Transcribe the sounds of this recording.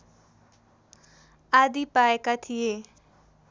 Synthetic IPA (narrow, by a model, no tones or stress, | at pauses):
ad̪ipajekat̪ʰie